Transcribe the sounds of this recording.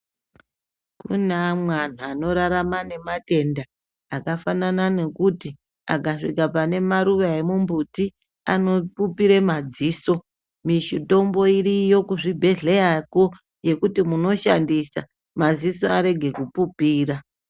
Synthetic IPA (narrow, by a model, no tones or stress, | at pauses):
kṵnamwan̤uano̞ɾaɾamane̞mate̞ndaː | kafananane̞kuti | a̰ɡʱaʂḭkapane̞maɾuʋae̞mumbuti | ano̞pupiɾemad͡ziːso̞ | miʃito̞mbo̞iɾijo̞kuʐibʱe̞ɮe̞ako | je̞kutimuno̞ʃa̰ndisa̰ | mad͡ziso̞aɾe̞ɡʱe̞kupupiːɾa